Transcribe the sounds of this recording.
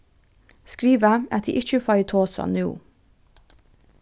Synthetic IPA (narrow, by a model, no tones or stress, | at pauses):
skɾiːʋaɛt̪d̪ḭːʔɪt͡ʃəfɑɪt̪ʰoːsa̰nṵː